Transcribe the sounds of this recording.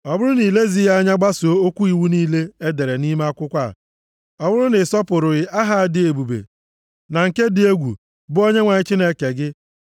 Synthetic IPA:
ɔ˨bʊ˦ɾʊ˦ni˨le˦zi˦ɣa˦ɲa˦ɡ͡ba˦so˨˦o˦kʷu˦i˨wu˦niː˦le˦e˦de˨ɾe˨ni˦ma˦a˦kʷʊ˦kʷa˦˨ | ɔ˨bʊ˦ɾʊ˦nɪ˨sɔ˦pʊ˨ɾʊ˨ɣɪ˨ʔa˦ɦa˦a˨dɪ˦e˨bu˨bḛ˨ | na˨ŋ̩˨ke˦dɪ˨e˦ɡʷṵ˨ | bʊ˦o˦ɲe˦ŋʷa˨ɲɪ˦t͡ʃi˦ne˦ke˨ɡɪ˦

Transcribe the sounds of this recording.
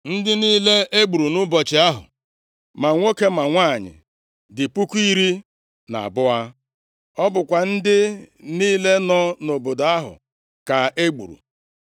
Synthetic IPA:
n̩˦dɪ˦niː˦le˦e˦ɡ͡bu˨ɾu˨nʊ˦bɔ˨t͡ʃɪ˨a˦ɦʊ̰˨ | ma˨ŋʷo˦ke˦ma˨ŋʷaː˦˨ɲɪ̰˨ | dɪ˨pu˦kʷu˦i˦ɾi˦ | na̰˨a̰˨bʊ˦a˦ | ɔ˦bʊ˨kʷa˨n̩˦dɪ˦niː˦le˦nɔ˦no˨bo˨do˨a˦ɦʊ̰˨ | ka˨e˦ɡ͡bṵ˨ɾṵ˨

